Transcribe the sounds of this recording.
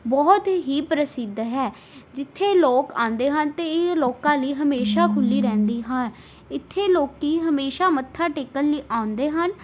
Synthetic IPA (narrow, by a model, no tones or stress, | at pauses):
bɔːt̪ɦiːpɾəsɪd̪ɦɛː | d͡ʒɪt̪ʰːeːloːkã̰ːnd̪eːɦənt̪eːloːkãːliːɦəmeːʃaːkʰʊlːiːɾɛ̃ːnd̪iːɦan | ɪt̪ʰːeːloːkiːɦəmeːʃaːmət̪ʰːaːʈeːkəlliːʔãːʊnd̪eːɦən